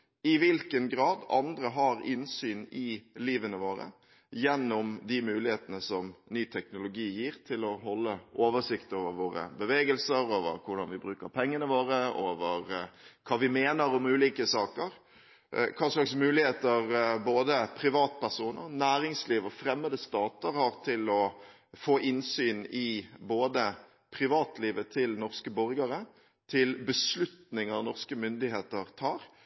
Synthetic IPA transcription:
ɪʋɪlkənɡɾɑːd̪ɑ̰nd̪ɾəɦɑɾɪnsyːnɪliːʋənəʋoːɾə̰ | jɛnːʊmd̪ɪmʉːlɪheːt̪ənəsɔmnyːt̪ʰɛknʊlʊɡiːjiːɾt̪ʰɪlɔhɔlːəʔoːʋəʂɪkt̪oːʋəɾʋoːɾə̰bəʋeːɡəlsəɾoːʋə̰ɾkʰʊɖɑnʋɪbɾʉːkəɾpʰɛŋːənəʋoːɾəoːʋəɾkʰɑːʋɪmeːnəɾʊmʉːliːkəsɑːkəɾ | kʰɑːʂɭɑksmʉːlɪheːt̪əɾboːd̪əpʰɾɪʋɑːt̪pʰæʁsuːnə̰ɾnæːɾɪŋsliːʋɔfɾɛmːəd̪əst̪ɑːt̪əɾhɑɾt̪ʰɪlɔ | foːʔɪnsyːnɪboːd̪ə | pʰɾɪʋɑːt̪liːʋət̪ʰɪlnɔʁskəbɔɾɡəɾə | t̪ʰɪlbəslʉt̪nɪŋɑʋnɔʁskəmʏnd̪ɪheːt̪əɾt̪ʰɑːɾ

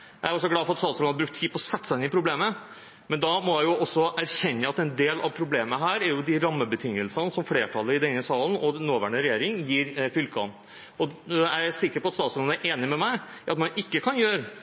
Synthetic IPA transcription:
jæɪæɾɔs̬ːɔɡlɑːfɔɾɑt̪st̪ɑːt̪sɔɑɾbɾʉkt̪ʰːiːpʰɔɔsɛt̪ːsæɪnɪpʰɾʊbleːmə | mɛnd̪ɑmɔjæɪʊʔɔsːɔʔæɾɕɛnːəɑt̪ɛnd̪eːlɑ̰ʋpʰɾʊbleːməɦæːɾæɾjʊd̪ɪɾɑmːəbət̪ʰɪŋːəlsənəsɔmfleːʈʰɑlːəɾɪd̪ɛnːəsɑːlən̩ɔnoːʋæːɳəɾɛjeːɾɪŋjiːɾfʏlkɑ̰n | ɔæsɪkːəɾpɔɑt̪st̪ɑːt̪sɔnnæɾʔeːnɪmɛmæɪʔɑt̪mɑnɪkːəkʰɑnjøːɾə

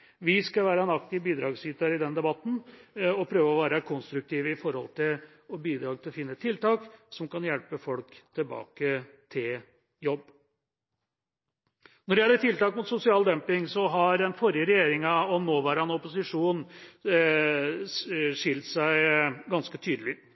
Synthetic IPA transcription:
ʋɪskɑʋæːɾɑnɑkt̪ɪʋbiːd̪ɾɑːɡsyːt̪ɑɾɪd̪ɛnd̪ɛbɑt̪n̩ɔpʰɾøːʋəɔʋæːɾəkʰɔnst̪ɾʉk̚t̪ʰiːʋəɪfɔɾhɔ̰lt̪ʰɪl | ɔbiːd̪ɾɑːɡ̪̚ɪlɔfɪnːət̪ʰɪlt̪ɑːksɔmkɑnjɛlpəfɔlkt̪ʰɪlbɑ̰ːkə | t̪ʰɪl | jɔbː | nɔɖɛɪhɛlːət̪ʰɪlt̪ɑːk̚mʊt̪sʊsɪɑːld̪ɛmpɪŋsɔɦɑɾɛnfɔɾɪəɾɛjeːɾɪŋɑɔnoːʋæːɾəɑnɔpʊsɪʂuːn | ʂɪlt̪sæɪɡɑnskət̪ʰyːd̪əlɪ

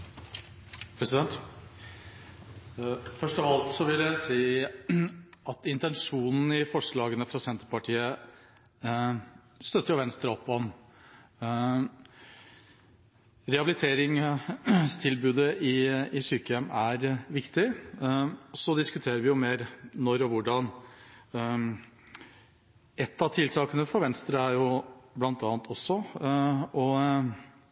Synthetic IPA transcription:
pʰɾɛsɪd̪ɛnt̪ | fœʂʈɔʋɑlt̪sɔʋɪljæɪsiː | ɑt̪ɪnt̪ɛnʂuːnn̩ɪfɔʂɭɑːɡənəfɾɑsɛnt̪əɾpɑʈʰiːə | st̪œt̪ːəɾjʊʋɛnst̪ɾəɔpːɔɔn | ɾɛhɑbɪlɪt̪ʰeːɾɪŋ | st̪ʰɪlbʉːd̪əʔɪɪsyːkəjɛmæɾʋɪkt̪ɪ | ɔsɔd̪ɪskʉt̪ʰeːɾəɾʋɪjʊmeːɾnɔɾɔʋʊɖɑn | ɛt̪ːɑt̪ʰɪlt̪ʰɑːkənəfɔɾʋɛnst̪ɾəæɾjʊblɑnt̪ɑːnt̪ʰɔsːɔ | ɔ

